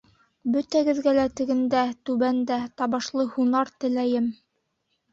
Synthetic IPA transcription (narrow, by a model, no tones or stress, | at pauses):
bɵ̆t̪æɡɘ̆ðɡælæt̪ɘ̆ɡɘ̆nd̪æt̪ʉβænd̪æt̪ɑβɑʃlˠɤhunɑɾt̪ɘ̆læjɘm